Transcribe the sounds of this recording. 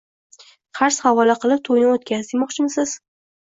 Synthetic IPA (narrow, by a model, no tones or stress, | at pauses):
qʰɑɾshavɒlaqʰɨlˠɪp̚t̪ʰojnɪot̪̚kʲazd̪ɪmɒqt͡ʃʰɪmsɪz̥